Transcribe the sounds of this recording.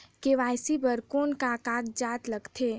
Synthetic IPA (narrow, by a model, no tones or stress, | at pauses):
keʋaːjsipəɾkoːnkakaːɡd͡ʒaːt̪ləɡt̪ʰeː